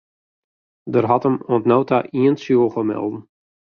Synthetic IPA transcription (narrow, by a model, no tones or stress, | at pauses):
dərɦɔtəmoəntnowtaʔiənsjuəlˠxəmɛ̰lˠdn̩